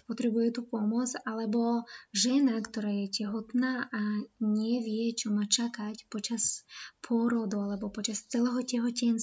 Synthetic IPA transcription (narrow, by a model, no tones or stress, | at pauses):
pɔt̪ɾɛbujɛt̪upɔmʊɔd͡zalɛbɔʒɛnakt̪ɔɾaːjɛcɛɦɔt̪naːʔaɲɪɛʋɪɛt͡ʃɔmaːt͡ʃakacpɔt͡ʃaspʰʊɔɾɔd̪ɔalɛbɔpɔt͡ʃast͡sɛlɛːɦɔcɛɦɔcɛnt͡s